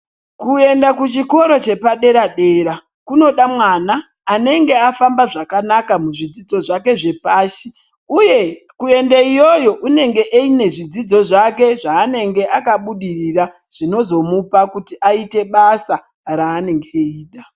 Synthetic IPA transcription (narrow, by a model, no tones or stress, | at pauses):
kue̞ndakut͡ʃiko̞ɾo̞t͡ʃe̞paɗe̞ɾaɗe̞ːɾa | kuno̞ɗamwanaː | ne̞ŋɡe̞afambaʐakanakamuʐid͡zid͡zo̞ʐake̞ʐe̞paːʃi | uje̞ | kue̞ndeijo̞jo̞ʔune̞ŋɡe̞ʔeine̞ʐid͡zid͡zo̞ʐake̞ʐaːne̞ŋɡe̞ʔakaɓuɗirira | ʐ̥ino̞zo̞mupakutiʔaite̞ɓasa | ɾaːne̞ŋɡeeiːɗa